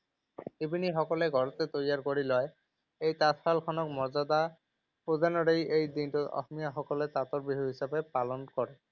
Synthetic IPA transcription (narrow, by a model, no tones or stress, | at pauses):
ibiniɦɔkɔleɡʱɔɹɔt̪et̪ojaɹkoɹilɔj | ejt̪at̪ʰxʰalkʰɔnɔk̚mɔɹzad̪a | pod̪ʱanɔɾejejd̪intut̪ɔ̰xmijaxɔkɔlet̪at̪ɔɹbiɦuɦisabepalɔnkɔɹe